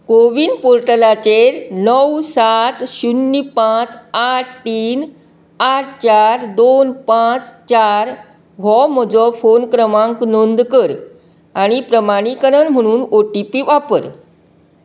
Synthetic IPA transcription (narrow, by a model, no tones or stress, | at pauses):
koʋiːnpoɾʈəlat͡ɕeɾnəwsat̪ɕunːipãt͡saʈ̚ʰt̪iːn | aʈ̚ʰt͡ɕaɾd̪onpãt͡st͡ɕaɾ | ʋɔməd͡zɔfonkɾəmãŋknond̪kəɾ | aɽ̃ipɾəmaɽ̃ikəɾənm̤əɽ̃uːnoʈipiːʋapəɾ